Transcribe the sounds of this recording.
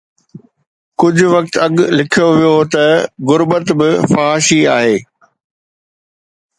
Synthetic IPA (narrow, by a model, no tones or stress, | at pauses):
kʊd͡ʑʱʊ̆ʋɐk̚t̪ɐɠlɪkʰijoʋijot̪ɐɣʊɾbət̪bɪfaːɦaːʃiaːɦeː